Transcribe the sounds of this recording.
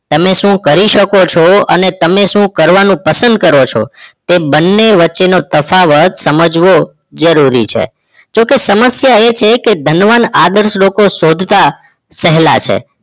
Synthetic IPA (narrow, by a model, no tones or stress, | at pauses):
t̪əmeʃũkəɾiʃəkot͡ʃʰoənet̪əmeʃũkəɾʋanũpəsə̃nd̪̚kəɾot͡ʃʰo̰t̪ebənːeʋətːʃenot̪əfaʋət̪səməd͡ʒʋo | d͡ʒəɾuɾḭt͡ʃʰḛ | d͡ʒokesəməsjaet͡ʃʰeked̪ʱənʋanad̪əɾslokosod̪ʱt̪a | sɛɦla̰t͡ʃʰḛ